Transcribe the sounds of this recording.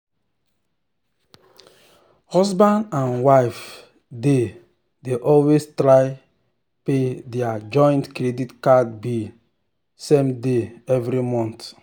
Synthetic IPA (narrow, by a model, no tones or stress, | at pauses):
hɔsbãndãnwaɪf | de | deʔɔlwestɾaɪ | pedɛad͡ʒɔ̃j̃ntkɾeditkadbi | sẽmdeɛvɾimɔ̃nt